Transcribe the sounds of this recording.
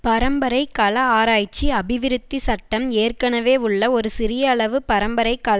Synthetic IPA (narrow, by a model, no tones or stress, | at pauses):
pɐɾɐmbɐɾɐɪkːɐɭɐaːɾaːjt͡ʃːiɐbɪʋɪɾɯt̪ːisɐʈːɐmeːrkɐɳɐʋeːʊɭːɐɔɾɯsɪɾɪjɐːɭɐʋɯpɐɾɐmbɐɾɐɪkːaːlɐ